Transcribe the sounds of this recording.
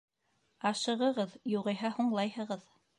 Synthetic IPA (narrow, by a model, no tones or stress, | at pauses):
ɑʃɤ̆ʁɤ̆ʁɤðjuʁɤ̆jɦɑhuɴlˠɑjhɤ̆ʁɤð